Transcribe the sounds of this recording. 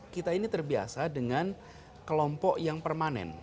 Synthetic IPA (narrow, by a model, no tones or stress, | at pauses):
kit̪ainit̪ərbia̰sadəŋan | kəlɔmpɔʔjaŋpərmanɛ̰n